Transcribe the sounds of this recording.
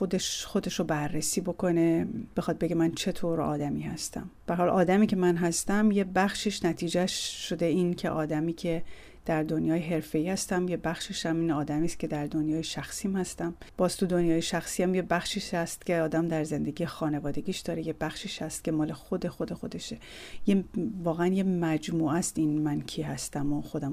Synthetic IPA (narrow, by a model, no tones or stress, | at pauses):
xod̪eʃxo̞d̪e̞ʃobærːesiːbo̞kʰo̞ne̞b̥e̞xɒːd̪̚be̞ɟe̞mænt͡ʃʰe̞t̪ʰoːɾɒ̰ːd̪æmiːhæst̪ʰæ̰mb̥ææɾhɒːlʔɒːd̪æmiːcʰe̞mænɦæst̪æmje̞bæxʃiːʃnæt̪ʰiːd͡ʒæʃːo̞d̪e̞iːncʰḛʔɒːd̪æmiːcʰe̞ | d̪̥æɾd̪o̞njɒːjeɦe̞ɾfe̞iːhæst̪æmjebæxʃiʃæmiːnɒːd̪æmiːst̪cʲʰe̞d̪æɾd̪o̞njɒːjeʃæxsiːmhæst̪æmb̥ɒːzt̪ʰud̪o̞njɒːjeʃæxsiːæmjebæxʃiʃæst̪cʲʰe̞ɒːd̪æmd̪æɾze̞nd̪e̞ɡiːjexɒːne̞vɒːd̪e̞ɡʲiːʃd̪ɒːɾejebæxʃiːʃhæst̪̚cʲʰe̞mɒːle̞xod̪e̞xo̞d̪e̞xo̞d̪e̞ʃe | jevɒːɣeænje̞mæd͡ʒmuːʔæst̪inmæncʰiːɦæst̪æmoxo̞d̪æm